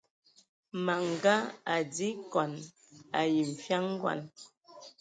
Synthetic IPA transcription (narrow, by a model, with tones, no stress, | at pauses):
ma˨ŋ˨ɡa˦a˨d͡zi˦kɔ˨n | a˨ji˨m̩˨fja˦ŋ˦ɡwa̰˨n